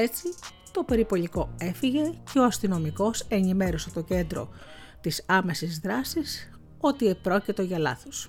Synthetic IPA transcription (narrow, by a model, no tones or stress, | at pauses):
e̞t͡si | t̪o̞pe̞ɾipo̞liko̞e̞fiʝe̞cʰe̞oɐst̪ino̞miko̞se̞nime̞ɾoset̪o̞ce̞nd̪ɾo̞̰ | t̪isɐme̞sizðɾɐsis | o̞t̪ie̞pɾo̞cit̪o̞ʝɐlɐ̰θos